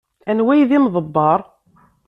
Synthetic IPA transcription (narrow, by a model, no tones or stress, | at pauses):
ænwæjðimðˤəbːɑɾˤ